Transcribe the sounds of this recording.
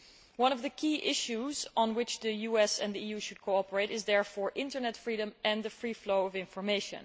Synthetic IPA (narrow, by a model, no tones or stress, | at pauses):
wʌ̃nʌvðɨkʰiːʔɪʃuzn̩wɪt͡ʃðɨjuɛsɨ̰̃nðiiːjuʃʊd̚kʰoʊɑpəɹeɪɾɪzðɛɹfɔːɹʔɪ̃ntə˞nɛtfɹiɾə̃mʔɨ̃nðɨfɹifloʊʌvɪ̃ɱfɔɹmeɪʃɨ̰̃n